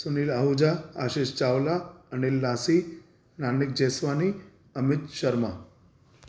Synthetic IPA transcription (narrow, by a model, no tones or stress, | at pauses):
sunilaɦud͡ʑaaɕeʃt͡ʃawlaənilːasi | nanːik̚d͡ʑesʋani | əmɪt̪ʃəɾma